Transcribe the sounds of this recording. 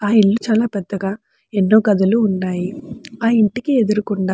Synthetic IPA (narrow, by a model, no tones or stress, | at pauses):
aːiɭːut͡ʃaːlaːpɛd̪ːɐɡaː | enːo̞ːɡɐd̪ɐluːnːaːjiaːiɳʈikied̪uɾukuɳɖaː